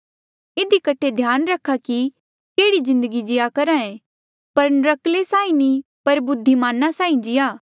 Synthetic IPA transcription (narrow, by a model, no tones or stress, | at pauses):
ɪd̪ikɐʈʰed̪ʱjaːnɾɐkʰːaki | keːɽizɪ̃nd̪əɡid͡ʒɪjakɐɾãːẽ | pɐɾnɾɐklesaːĩnĩ | pɐɾbʊd̪ʱːimaːnasãːĩd͡ʒɪjaː